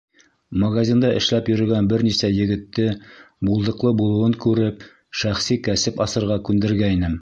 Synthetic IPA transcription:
mɐɡazʲind̪ɑʔɘ̰̆ʃlæpjɵ̆ɾɵ̆ɾɡænbɘɾnisæjɘ̆ɡɘ̆t̪ːɘ | bulˠd̪ɤ̆qlˠɤbulˠɤ̆wɤŋkʉɾɘp | ʃæχsikæsɘpɑsɤ̆ɾʁɑkʉnd̪ɘ̆ɾɡæinɘm

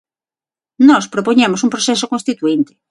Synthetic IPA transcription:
nɔspɾopoɲamosumpɾosɛsokõnst̪it̪uent̪ɪ̥

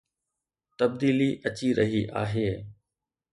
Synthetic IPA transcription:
t̪əbd̪iːliːʔət͡ʃiːɾəɦiːʔa̰ːɦeː

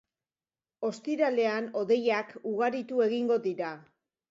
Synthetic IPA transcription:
o̞st̪iɾale̞ano̞ðe̞jakuɣaɾit̪ue̞ɣiŋɡo̞ðiɾa

